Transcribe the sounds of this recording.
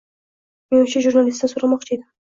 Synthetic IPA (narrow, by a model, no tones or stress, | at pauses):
menɪt͡ʃʰaʒuɾnalist̪asoɾamɒqt͡ʃʰajd̪ɪ